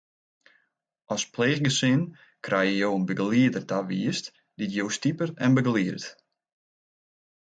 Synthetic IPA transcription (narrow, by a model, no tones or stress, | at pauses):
ʔɔspleːxɡəsɪn | kʰrɛjəjowənbəɡliədərdaʋiəst | d̥itjowstipərɛnbəɡliərt